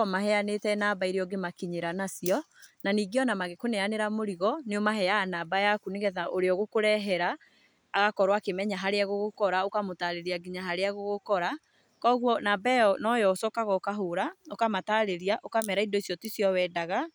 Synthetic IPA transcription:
ɔmaɦɛanetɛnaːbaiɾeɔɡemakiɲeɾanasjɔ | naniːɡeɔnamaɣekonɛaneɾamoɾiɣɔneomaɦɛjaːnaːbajakuneɣɛðaʔoɾeɔɣokoɾɛɦɛɾaː | ɣakɔɾwakemɛɲaɦaɾeaɣoɣokɔɾaokamotaɾeɾiaɡiɲaɦaɾeaɣoɣokɔɾa | kɔɣwɔnaːbɛɔnɔjɔsɔkaɣɔokaɦoːɾaokamataɾeɾiaʔokamɛɾaidoisjɔtisjɔwɛːdaɣa

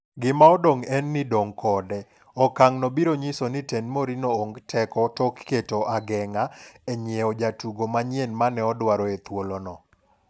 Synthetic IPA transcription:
ɡɪmaɔdoŋɛnːɪdoŋkʰɔdɛ | ɔkaŋnɔbiɾoɲisonɪtenmoɾinooŋɡtʰɛkɔtɔkːetoʔaɡɛŋaɛɲjeɔd͡ʒatuɡomaɲjenmanɛɔdwaɾɔet̪wolonɔ

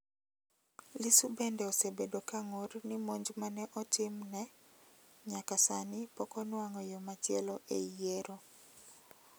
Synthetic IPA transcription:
lisubɛndɛɔsebedokaŋornɪmoɲd͡ʒmanɛʔɔtɪmnɛ | ɲakasanipɔkɔnwaŋɔjomatjɛlɔʔḛjeɾo

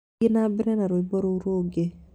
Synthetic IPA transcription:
ɪnabɪnɛnaɾoibɔɾouɾoɡe

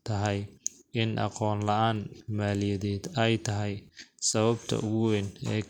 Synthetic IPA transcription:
t̪ʰɐɦɛjɪnʔɑ̰qɔːnlɐʔaːnmaːlɪjɐðɛːd̪ɛjt̪ʰɐɦɛjsɐβɐbt̪ʰɐ̰ʔʊɣʊwɛnɛː

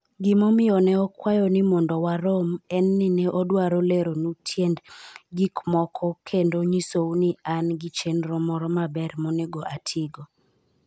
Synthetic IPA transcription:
ɡɪmomɪjɔnɛɔkwajɔnɪmɔndɔwaɾomɛnːɪnɛʔɔdwaɾoleɾonutʰjendɡikmɔkʰɔkʰendoɲisownianɡit͡ʃenɾɔmɔɾɔmabɛɾmɔneɡɔʔatʰɪɡɔ

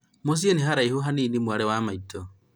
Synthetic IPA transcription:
mos̬ijenehaɾaihoɦaniːnimwaɾɛwamaitʰɔ

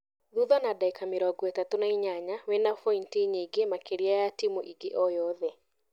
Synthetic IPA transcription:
ðuðanadaikameɾɔɡɔetatonaiɲaɲawɛnafɔintiɲeɡemakeɾiajatimoʔiɡeʔɔjɔðɛ

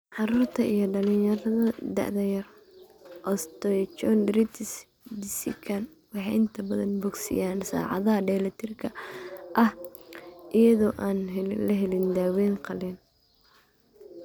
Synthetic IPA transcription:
ʕɑɾuːrt̪ʰɐʔijɞɖɐlɪjɐɾɐðɐd̪ɐ̰ʕd̪ɐjɐr | ʔɔst̪ɔjt͡ʃɔnɾit̪s | d̪ɪsɪkʰɐn | wɑħɛʔɪnt̪ʰɐbɐðɐ̰nbɔɡsɪ̰jaːnsa̰ːʕɑ̰ðɐɦɐɖɛːlɐt̪ʰɪrkʰɐʔɐh | ʔijɐðɔːʔaːnɦlɐɦɛlɪnd̪aːwɛːnqʰɑlɛn

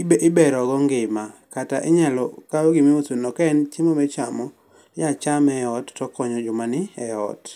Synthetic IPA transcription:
ɪbɛɾɔɡɔŋɡɪmakataʔɪɲalɔ̰kaoɡimeosonɔkɛnt͡ʃɪmɔmɛt͡ʃamɔ | jat͡ʃamɛɔtːɔkɔɲɔd͡ʒʊmanɪɛɔ̰t

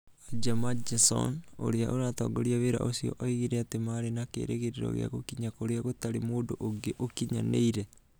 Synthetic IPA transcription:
ad͡ʒamad͡ʒasɔ̰no̰ɾeaʔoɾatɔ̰ɡoɾiaβeɾa̰ʔosiɔ̰ʔaiɣiɾeatemaɾenakḛːɾḛɣeɾeɾɔ̰ɣḛa̰ɣokiɲakoɾeaɣotaɾemoːdoʔoŋɡeʔokiɲanḛiɾe

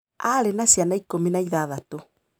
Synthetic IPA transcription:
aɾenasjanaikominaiðaðato

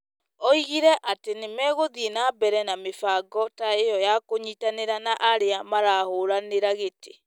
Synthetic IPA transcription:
ɔiɣiɾɛʔatenemɛːɣoðienabɛɾɛnamefaːɡɔtaejɔjakoɲitaneɾanaʔaɾeamaɾahoɾaneɾaɣete

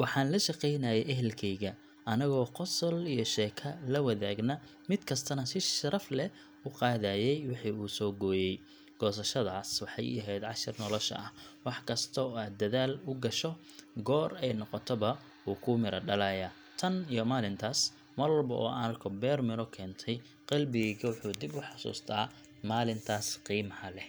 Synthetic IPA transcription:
wɑħɑːnlɐʃɑqɛjnɐjɛjʔɛɦɛlkʰɛjɣɐ | ɐnɪɣɔːqɔsɔlijɔʃɛːkʰɐlɐwɐðaːɡnɐ | mɪd̪kʰɐst̪ʰɐnɐsɪʃʃɐɾɐflɛ | ʊqɑːðaːjɛjwɪħiːuːsɔːɡɔːjɛj | ɡ̥ɔːs̬ɐʃɐðaːswɑħɑ̰jɐɦɛjd̪ʕɑʃɪrnɔlɔʃɐ̰ʔɐhwɑħkʰɐst̪ʰɔaːd̪ːɐðaːlʊɡɐʃɔ | ɡɔːrɛjnɔqɔt̪ʰɔβɐ | ʔuːkʰuːmɪɾɐɖɐlajaː | t̪ʰɐnijɔmaːlɪnt̪ʰaːs | mɐrwɔlbɐʔɔ̰ːʔɐnɐrkʰɔbɛːrmɪɾɔkʰɛːnt̪ʰɛj | qɑlbɪɣɛɣɐwʊħuːd̪ɪbʊħɑsṵːst̪ʰaː | maːlɪnt̪ʰaːsqiːmɐhɐlɛ

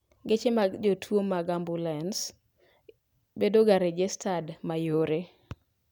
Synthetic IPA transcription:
ɡet͡ʃemad͡ʒotʰwomaɡambulɛns | bedoɡaɾed͡ʒestʰadmajoɾe

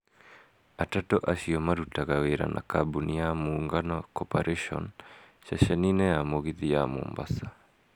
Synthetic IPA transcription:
atatɔʔaɕiɔmaɾutaɣaweɾa̰nʔa̰kabunijamoːŋɡanɔkɔpaɾʔɛʃɔ̰n | ʃaʃɛninɛamoɣiðijamo̰ːmba̰sa

